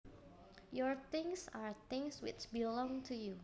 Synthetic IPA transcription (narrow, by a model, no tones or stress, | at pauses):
jɔɹt̪ɪ̃ŋsaɹt̪ɪ̃ŋswɪ̰t͡ʃbilɔ̃ŋtʰuju